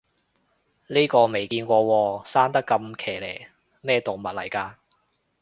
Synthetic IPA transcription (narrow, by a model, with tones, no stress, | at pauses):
liː˥kɔː˧me˨˩jkiː˧nkʷɔː˧wɔː˧saː˥nt̪ɐ˥kːɐ˧mkʰeː˨˩leː˨˩j | mɛː˥t̪o˨wmɐ˨t̚lɐ̰˨˩jkaː˧